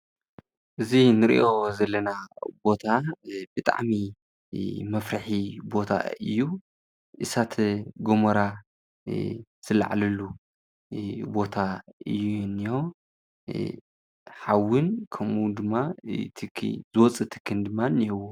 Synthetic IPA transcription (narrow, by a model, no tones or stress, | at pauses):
ʔɨzinɨɾḭʔo̞zɐlːɐnabo̞t̪ʰabɨt̪ʼa̰ʕmi | mɐfɾaħibo̞t̪ʰa̰ɨ̰jːu | ʔɨsat̪ʰɡomɐɾa | z̥ɨla̰ʕlɐlu | bo̞t̪ʰaɨ̰jːunːijo̞ | ħawːɨnkʰɐmud̪ɨmːat̪ʰɨkʰzɨwɔt͡sʼɨt̪ʰɨ̥kʰːɨnd̪ɨmːanːihɨwo